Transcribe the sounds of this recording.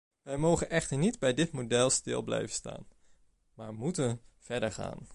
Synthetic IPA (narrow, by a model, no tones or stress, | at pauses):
ʋɛjmowχənʔɛχtəɹnidbɛjdɪtmodɛlˠstɪ̰lˠblɛ̰jvənsta̰ːn | maːɹmutənv̥ɛɹdəɹχa̰ːn